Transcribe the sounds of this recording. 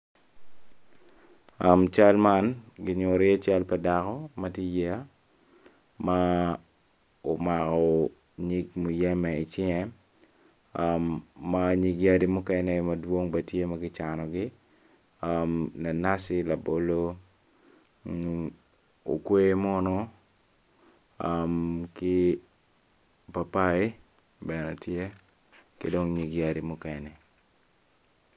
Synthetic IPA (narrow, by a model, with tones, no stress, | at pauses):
a˨mt͡ʃa˦lma˦nɡɪ˦ɲʊ˨ɾɪ˦a˦t͡ʃa˦lpɛ˨dakɔ˦mɐ˦tje˦jɛ˦a˦ | ma˦ | o˨ma˨kɔ˨ | ɲi˦ɡmu˨jɛ˦mɛ˨i˨t͡ʃɪ˦ŋɛ˦ | amːa˦ɲi˦ɡja˦di˨mu˦kɛ˦nɛ˦mɐ˨dwo˦ŋbɐ˨tje˦mɐ˦ɡɪ˦t͡ʃanɔ˨ɡɪ | amna˨na˦sɪ˦la˨bo˦lo˦ | o̰˨kwe˦mɔ˦nɔ˦ | amkɪ˦ | pa˨pa˦i˦ | bɛ˨nɛ˨tje˦ | kḛ˨do˦ŋɲi˨ɡia˨di˨mʊ˦kɛnɛ˨